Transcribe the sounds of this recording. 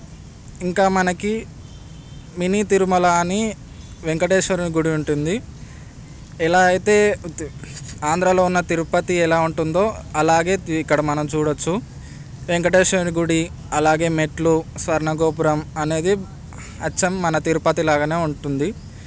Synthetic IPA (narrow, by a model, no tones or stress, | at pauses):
iŋkaːmɐnɐki | minit̪iɾumɐlaːni | ʋeŋkɐʈeːʂɐɾniɡuɽiuɳʈund̪i | ɛlaːɐjt̪e̞ː | aːnd̪ɾaːlo̞ːunːɐt̪iɾupɐt̪iɛlaːuɳʈund̪o̞ːɐlaːɡe̞ːikːɐɽɐmɐnɐmt͡ʃuːɽɐt͡ʃːu | ʋeŋkɐʈeːʂʋɐɾnɡuɽi | ɐlaːɡe̞ːmeʈlusʋɐɾɳɐɡoːp̬uɾɐmɐne̞ːd̪i | ɐt͡ʃːɐmːɐnɐt̪iɾupɐt̪ilaːɡɐne̞ːuɳʈund̪i